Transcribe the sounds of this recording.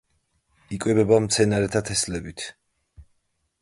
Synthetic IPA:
ikʼwɛbɛbamt̪sʰɛnaɾɛt̪ʰat̪ʰɛslɛbit̪ʰ

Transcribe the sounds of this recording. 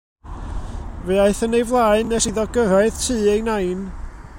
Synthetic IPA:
veaɨθənejvlˠaːɨnɛsiðɔɡəɾaɨðtʰɨːejnajn

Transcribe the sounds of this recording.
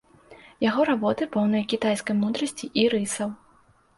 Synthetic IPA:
jaɣɔɾabɔt̪ɨpɔwn̪ɐjkʲit̪ajskɐjmud̪ɾɐsʲt͡sʲiʔiɾɨsɐw

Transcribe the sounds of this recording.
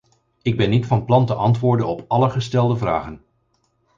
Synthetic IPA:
ɪɡ̚bɛnːitfɑnplɑntəʔɑntʋʊːɹdənɔpɑləχəstɛlˠdəvra̰ːχən

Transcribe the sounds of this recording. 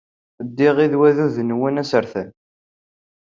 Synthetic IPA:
d̪ːiʁiðwæðuðənwənæsəɾθən

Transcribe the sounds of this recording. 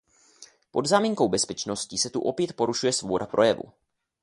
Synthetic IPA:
pod̪zaːmiːŋko̞wbɛspɛt͡ʃno̞scisɛt̪uʔo̞pjɛt̪̚po̞ɾuʃujɛsvo̞bo̞dapɾo̞jɛvṵ

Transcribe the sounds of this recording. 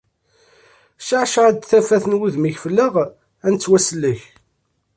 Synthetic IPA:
ʃʕʃʁæd̪θæfæθənwuðmiçfəlːəʁ | ænt͡sːwæsəlːəç

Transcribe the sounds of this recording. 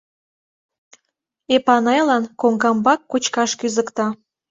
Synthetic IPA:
epɑnɑjlɑnkoŋɡɑmbɑkːut͡ɕkɑʃkyzə̆kt̪ɑ

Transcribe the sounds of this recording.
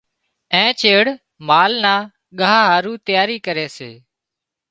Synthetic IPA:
ɛ̃ːt͡ʃeːɽ | maːlnaː | ɠəɦaːɦaːɾuːt̪ɪjaːɾiːkəɾeːsḛː

